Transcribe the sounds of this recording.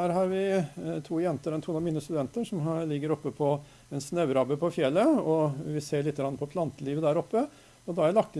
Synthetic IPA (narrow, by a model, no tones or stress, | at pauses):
æːɾɦɑɾʋɪt̪ʰuːjɛnt̪əɾɔɛnt̪ʰuːnɑmiːnəst̪ʉd̪ɛnt̪əʂɔmlɪɡːəɾɔpːəpʰɔ | ɛnsnœʉɾɑbəpʰɔfjɛlːəɔʋɪseːɭɪt̪ːəɡɾɑnːəpɔpʰlɑnt̪əliːʋəd̪æːɾɔpːə | ɔd̪ɑæɾlɑk̚t̪ə